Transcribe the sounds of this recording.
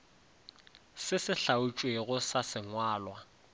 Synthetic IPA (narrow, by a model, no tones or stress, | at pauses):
sɪsɪɬaut͡ʃʼweɣʊsasɪŋwaːlwa